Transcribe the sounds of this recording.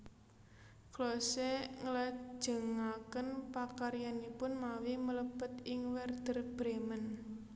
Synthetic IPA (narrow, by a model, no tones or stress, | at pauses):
klɔseŋəlḁʒ̥ə̤ŋakənpakaɾjanipʊnmawimələbət̪ɪŋwɛrd̪̥ərb̥ɾemən